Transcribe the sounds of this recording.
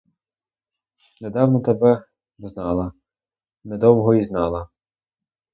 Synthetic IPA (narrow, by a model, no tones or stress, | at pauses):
ned̪ɑwnɔt̪ɛbɛ | bznɑlˠɐ | nɛd̪ɔwɦɔiznɑlˠɐ